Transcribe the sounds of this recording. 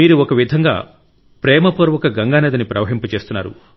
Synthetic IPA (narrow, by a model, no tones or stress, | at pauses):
iːɾuɔkɐʋid̪ʱɐŋɡa̰ː | pɾɛːmɐpoːɾʋɐkɐɡɐŋɡaːnɐd̪ɐnipɾɐʋɐɦimput͡ʃe̞ːst̪unːa̰ːɾṵ